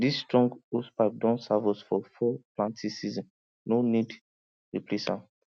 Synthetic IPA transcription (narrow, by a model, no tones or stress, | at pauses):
disːtɹɔ̃ŋɡospap̚dɔ̃nsavɔsfɔfɔplãntʰisizɔ̃n | nonid | ɹiplisã̰m